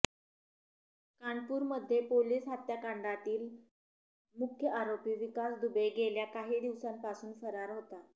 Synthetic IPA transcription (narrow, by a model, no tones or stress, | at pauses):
kaɳɖpuːɾməd̪ʱːjepoliːsɦat̪jakaɳɖat̪iːl | mukʰjəʔaɾopiːʋikasd̪ubejɡeljakaɦiːd̪iʋsampasuːnfəɾaɾɦot̪a